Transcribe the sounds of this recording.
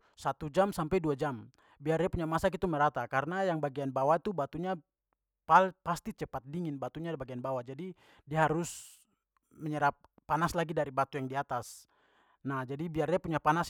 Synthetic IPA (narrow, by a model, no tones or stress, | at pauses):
sat̪ud͡ʒamsampɛjduad͡ʒam | biardiapuɲamasakit̪umɛɾat̪akaɾnajaŋbaɡianbawat̪ubat̪uɲa | palpast̪it͡ʃɛpat̪̚diŋinbat̪uɲabaɡianbawad͡ʒadi | diaɦaɾus | mɛɲɛɾap̚ːanaslaɡidaɾibat̪ujaŋdiat̪as | nahd͡ʒadibiardiapuɲapanas